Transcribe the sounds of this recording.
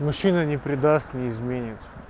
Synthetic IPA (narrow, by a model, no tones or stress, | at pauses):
mʊɕːinənʲɪpɾʲɪd̪ast̪nʲɪːzmʲenʲɪt̪